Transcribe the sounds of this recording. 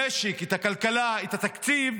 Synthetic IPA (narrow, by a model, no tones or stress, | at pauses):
eʃikit̪akalkalait̪at̪akt͡siv